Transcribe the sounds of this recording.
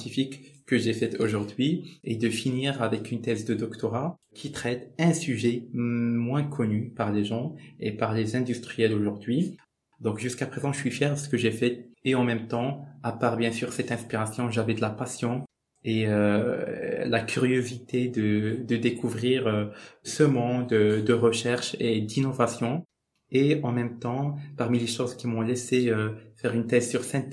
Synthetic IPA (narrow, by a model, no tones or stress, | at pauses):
ɑ̃t̪ifikːəʒefɛt̪ʰoʒuʁd̪ɥied̪əfiniʁavɛkynt̪ɛzd̪əd̪ɔkt̪ɔʁa | kʰʲit̪χɛt̪ɛ̃syʒɛmwɛ̃kʰɔnypaʁleʒɑ̃epaʁlezɛ̃d̪yst̪χijɛloʒuʁd̪ɥi | d̪ɔ̃kʒyskapχezɑ̃ʒəsɥifjɛʁsə̥kəʒefɛeɑ̃mɛmt̪ɑ̃apaʁbjɛ̃syːʁsɛt̪ɛ̃spiʁasjɔ̃ʒavɛd̪əlapasjɔ̃ | eø | lakʲʰyʁjozit̪ed̪əd̪əd̪ekuvʁiːʁøsəmɔ̃d̪əd̪əʁəʃɛʁʃed̪inɔvasjɔ̃ | eɑ̃mɛmt̪ɑ̃paʁmileʃozkʲimɔ̃lɛseøfɛʁynt̪ɛzsyʁsɛ̃n